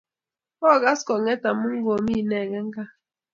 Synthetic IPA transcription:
ɔ˦˨ɣa˦skɔ˨ŋe˦ta˨mʊ˦ŋ̩˦ɡo˨mi˦˨ne˦˨ŋe˦ŋ̩˦ka˦

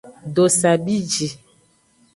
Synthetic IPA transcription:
do˨sa˨bi˦d͡ʒi˨

